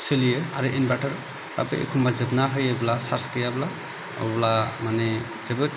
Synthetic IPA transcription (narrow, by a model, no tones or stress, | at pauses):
sɯlijɯa̰ɾɯʔinbataɾ | ɾa̰pɯ̰ʔḛkʰumbazɯbnaɦɯjɯblasaɾskɯjabla | ɔ̰wblamane | z̥ebɯ